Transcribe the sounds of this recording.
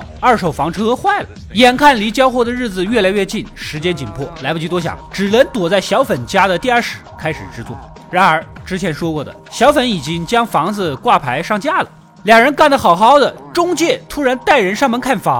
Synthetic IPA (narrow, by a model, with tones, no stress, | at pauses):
ɐ˞˥˩ʂo˨˩ʊfɑ˧˥ŋʈ͡ʂʰɤ˥xwa˥˩ɪlə̰˩ | jɛ˨˩nkʰa˥˩nli˧˥t͡ɕjɑ˥ʊxwɔ˥˩d̪ə˩ɻɻ̩˥˩d͡zɹ̩˩ɥɛ˥˩la˧˥ɪɥɛ˥˧t͡ɕi˥˩nʂɻ̩˧˥t͡ɕjɛ˥nt͡ɕi˨˩npʰwɔ̰˥˩la˧˥ɪpə˧˩y˥t̪wɔ˥ɕ̬jɑ̰˨˩˦ŋʈ͡ʂɻ̩˨˩lə˧˥nt̪wɔ˨˩t͡sa˥˩ɪɕjɑ˧˥ʊfə˨˩nt͡ɕja˥d̪ə˨t̪i˥˧ɐ˞˥˩ʂɻ̩˨˩˦kʰa˥ɪʂɻ̩˨˩ʈ͡ʂɻ̩˥t͡swɔ̰˥˩ | ɻa˧˥nə˞˧˥ʈ͡ʂɻ̩˥t͡ɕʰjɛ˧˥nʂwɔ˥kwɔ˥˩d̪ə̰˩ɕjɑ˧˥ʊfə˧˥ni˨˩t͡ɕi˥ŋt͡ɕjɑ˥ŋfɑ˧˥ŋd͡zɹ̩˧kwa˥˩pʰa˧˥ɪʂɑ˥˩ŋt͡ɕja˥˩lə̰˩ | ljɑ˨˩ŋɻə˧˥nka˥˩nd̪ə˩xɑ˨˩ʊxɑ˧˥ʊd̪ə˨ʈ͡ʂʊ˥ŋt͡ɕjɛ˥˩t̪ʰu˥ɻa˧˥nt̪a˥˩ɪɻə˧˥nʂɑ˥˩ŋmə˧nkʰa˥˩nfa˨˩